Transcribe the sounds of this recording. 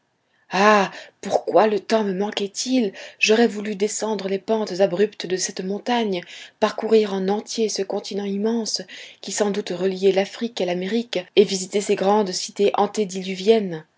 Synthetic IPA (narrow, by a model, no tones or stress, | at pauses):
apuʁkwalət̪ɑ̃məmɑ̃kɛt̪ilʒɔʁɛvulyd̪esɑ̃d̪ʁəlepɑ̃t̪zabʁypt̪d̪əsɛt̪mɔ̃t̪aɲpaʁkuʁiʁɑ̃nɑ̃t̪jesəkɔ̃t̪inɑ̃imɑ̃skʲisɑ̃d̪ut̪ʁəlijɛlafχikalameʁikevizit̪eseɡʁɑ̃d̪si̥t̪eʔɑ̰̃t̪ed̪ilyvjɛn